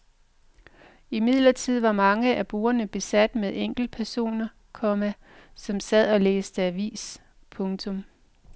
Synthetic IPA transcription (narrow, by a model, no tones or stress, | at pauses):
imið̞̰ˠlɐt͡sʰið̞̰ˠʋɑ̈mɑ̈ŋəʔæb̥uːɐnəb̥e̝sæd̥meðˠeŋ̰ɡ̥l̩̥̚pʰæɐso̝̰ːnɐ | kʰɒ̽mæ | sɒ̽msæð̞̰ˠælḛːsd̥əæʋḭːs | pʰɔ̽ŋt͡sʰɔ̽m